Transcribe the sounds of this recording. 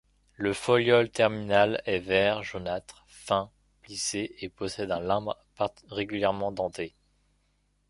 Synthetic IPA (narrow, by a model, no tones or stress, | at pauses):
ləfɔljɔlt̪ɛʁminalɛvɛʁʒonat̪χ | fɛ̃ | pliseʔepɔsɛd̪ɛ̃lɛ̃bʁpa | ʁeɡʲyljɛʁmɑ̃d̪ɑ̃t̪e